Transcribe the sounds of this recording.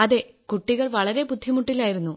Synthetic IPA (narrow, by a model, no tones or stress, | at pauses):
ɐðe̞ | kuʈːiɣɐɭʋɐɭɐɾe̞bud̪ʱːimuʈːilaːjiɾunːu